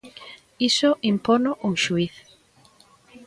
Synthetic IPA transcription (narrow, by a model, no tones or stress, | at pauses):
isʊʔimponʊʔuŋʃuiθ